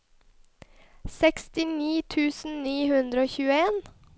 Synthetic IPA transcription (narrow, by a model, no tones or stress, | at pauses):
sɛkst̪ɪniːt̪ʰʉːsn̩niːhʉnd̪ɾəoːçʉːəeːn